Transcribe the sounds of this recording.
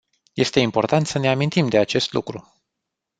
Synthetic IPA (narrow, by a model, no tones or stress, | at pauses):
je̞st̪e̞impo̞rt̪ant̪səne̞amint̪imd̪e̞at͡ʃe̞st̪lṵkɾu